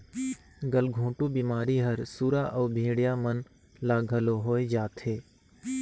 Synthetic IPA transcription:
ɡəlɡʱũːʈubiːmaːɾiɦɐɾsuːɾaːʔɔːbʱĩːɽjamən | laːɡʱəloɦoːed͡ʒaːt̪ɦeː

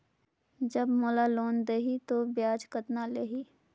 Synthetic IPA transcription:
d͡ʒɐbmolaloːnd̪eɦit̪objaːd͡ʒkət̪naleɦi

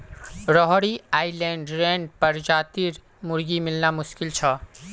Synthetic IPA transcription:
ɾɔɦɽiaːilẽːɳɖɾẽːɳɖpɐɾd͡ʒaːt̪iɾ | mʊɾɡimɪlnamʊʃkɪlt͡ʃʰɐ

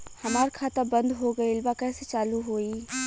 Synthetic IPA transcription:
hɐmaːɾkʰaːt̪abɐ̃nd̪ɦoɡɐiɪlbakɛːset͡ʃaːluɦoːiː

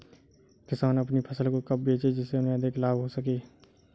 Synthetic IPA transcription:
kɪsaːnəpnipʰəsəlkokɐp̚bʱeːt͡ʃed͡ʒɪsːeʊnɦẽəd̪eklaːbɦosəkeː

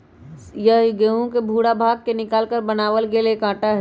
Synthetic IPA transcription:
jəɦɡeɦũkebʱuːɽabʱaːɡ̚kenɪkaːlkəɾbɐnaːʋəlɡeːlekãːʈaɦ

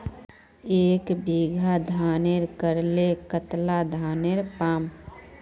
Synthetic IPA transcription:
eːkbiːɡʱad̪ʱaːneɾkəɾlekət̪lad̪ʱaːneɾpaːm

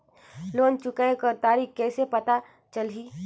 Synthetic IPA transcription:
loːnt͡ʃʊkaekəɾt̪aːɾiːkkɛːsepɐt̪a | t͡ʃəlɦiː

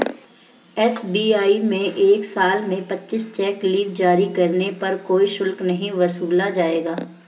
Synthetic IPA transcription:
ɛːsbiːaːimẽʔeːksaːlmẽpɐtːʃɪst͡ʃɛːkliːʈ̚d͡ʒaːɾikɐɾnepɐɾkoːiʃʊlknɐɦĩʋɐsuːlad͡ʒaːeːɡaː

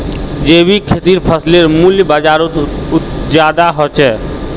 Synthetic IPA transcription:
d͡ʒeːbikʰet̪iɾpʰəsleɾmuljbad͡ʒaːɾut̪ | d͡ʒaːd̪aɦɔt͡ʃɛː

